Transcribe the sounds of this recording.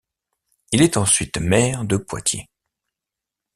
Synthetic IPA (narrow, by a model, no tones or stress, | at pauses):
ilɛt̪ɑ̃sɥit̪mɛʁd̪əpwa̰t̪jḛ